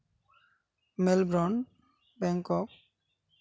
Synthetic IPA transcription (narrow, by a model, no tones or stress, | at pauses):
melbɾɔn | bɛŋkɔk̚